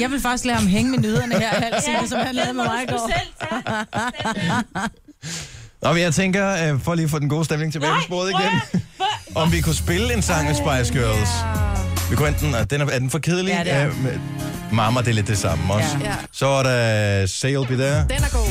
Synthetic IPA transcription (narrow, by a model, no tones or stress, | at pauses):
jɑ̈ɪʋelfɑɡ̥isɡ̥lɛːhɑmɦeŋəmenøðˠɐnəheɐælssɒ̽mɑlɛːð̩ˠmemɑ̈ɪɡ̥ɒː | ɒjɑ̈ɪt͡sʰeŋ̰ɡ̥ɐfɒliːfɔ̽ːd̥en̩ɡo̝̰ːsd̥emle̝ŋt͡sʰebɛːɪfisb̥oɐð̩ˠiɡ̥en | ɒ̽mʋikʰusb̥e̝ləe̝nsɑ̈ŋ̰mesb̥ɑ̈ɪsɡ̥øɐls | ʋikʰuen̰d̥n̩d̥enæɐæɐd̥enfɒ̽kʰeðˠli | mɑ̈mɐd̥eled̥ːe̝sɑ̈mɒs | sɒ̽ʋɑɾɑseɪlˠb̥idæɐd̥enæɐɡ̥o̰